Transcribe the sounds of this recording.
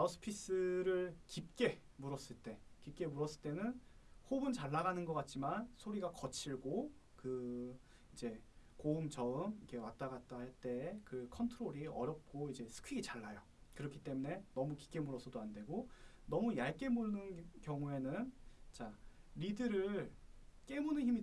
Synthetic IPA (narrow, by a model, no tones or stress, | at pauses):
asʰɯ̥pʰis͈ɯɾɯɭkip̚k͈e̞muɾʌs͈ɯɭt͈e̞kip̚k͈e̞muɾʌs͈ɯɭt͈e̞nɯnhobɯnt͡ɕaɭːaɣanɯnɡʌk͈at̚t͡ɕ͈imansʰoɾiɡakʌt͡ɕʰiɭɡokɯ | id͡ʑe̞koumt͡ɕʌɯmikʰe̞wat͈aɡat͈aɦaɭt͈e̞kɯkʰʌntʰɯɾoɾiʌɾjʌp̚k͈oid͡ʑe̞sʰɯ̥kʰɯɡit͡ɕaɭːajo | kɯɾʌkʰi̥t͈e̞mune̞nʌmuki̥p̚k͈e̞muɾʌsʰʌdoandwe̞ɡonʌmujaɭk͈e̞munɯnkjʌŋue̞nɯnt͡ɕaɾidɯɾɯɭk͈e̞munɯnçimi